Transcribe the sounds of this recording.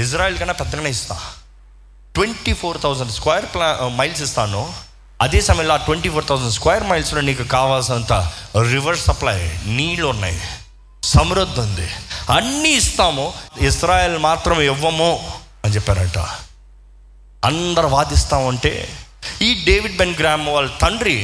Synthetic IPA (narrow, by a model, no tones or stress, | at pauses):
is̬ɾaːjeːlkɐnːaːpɛt̪ːɐkɐɳɐist̪a̰ː | ʈʋeɳʈipʰoːɾt̪ʰɐwsɐɳɖskʋɐːjɐɾplamɐjls̬ist̪aːnu | ɐd̪eːsɐmɐjɐ̃loaːʈʋeɳʈiːpʰoːɾt̪ʰɐwzɐɳɖskwɐːjɐɾmɐjlsloːniːkukaːʋaːlsɐnt̪a̰ɾiʋɐɾssɐpla̰ːjniːlunːa̰ːj | sɐmɾud̪ʱːɐnd̪ḭɐnːiist̪aːmuisɾaːjeːlmaːt̪ɾɐmɛʋːɐmu | ɐnt͡ʃɛpːaːɾɐɳʈa̰ | ɐnd̪ɐɾuʋaːd̪ist̪aːmɐɳʈḛːiːɖeːʋiɖ̚benɡɾaːmʋaːɭːɐt̪ɐɳɖɾi